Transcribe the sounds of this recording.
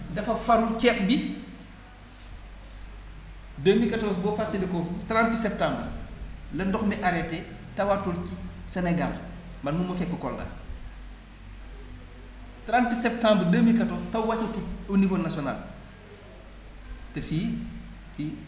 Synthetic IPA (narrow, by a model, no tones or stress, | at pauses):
dɐfɐfɐɾut͡ʃɛːk̚bi | dəːmikɐtɔːs̬bɔfatːelikɔtɾãntsɛp̚tãːmbərlɐndɔxmiʔaɾɛtːɛ | tɐwatulkisɛnɛɡal | mɐnmumːɐfɛpːəkɔlɡa̰ | tɾantsɛp̚tãmbərdəmːikɐtɔːstɐwwacːɐtiunivoːnasiɔnal | tɛfiː | fi